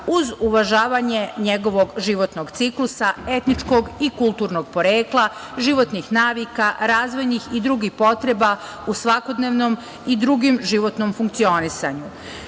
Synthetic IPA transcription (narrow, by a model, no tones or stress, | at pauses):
uzuʋaʒaːʋaɲe̞ɲeɡo̞ʋo̞ɡʒiʋo̞t̪noɡt̪siklˠusae̞t̪nit͡ʃko̞ɡikulˠt̪uːɾno̞ɡpo̞ɾeːklˠa | ʒiʋo̞t̪nixnaːʋikaɾaːzʋo̞jnixid̪ɾuːɡixpo̞t̪ɾe̞ba | usʋako̞d̪neʋnom | id̪ɾuɡimʒiʋo̞t̪nomfuŋkt̪sio̞nisa̰ɲu